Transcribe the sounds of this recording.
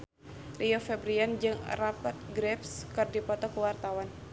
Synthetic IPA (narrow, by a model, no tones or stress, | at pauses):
rʔiɔfɛbɾiand͡ʒɨŋrapat̪̚ɡɾɛpskɨrdipɔt̪ɔkuwart̪awan